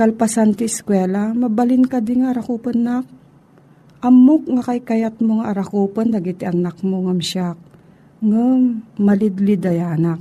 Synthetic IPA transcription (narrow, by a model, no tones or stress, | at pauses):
kɐlpɐsant̪ɪskwɛːlɐmɐbɐlɪnkɐd̪ɪŋaɐɾɐkuːpɐnːak̚ | ʔɐmːok̚ŋɐkɐjkɐjat̪̚moŋaʔɐɾɐkoːpɐnd̪ɐɡɪt̪ɪʔɐnɐk̚moŋɐmʃak̚ | ŋamːɐlɪd̪lɪd̪ɐjaːnɐk̚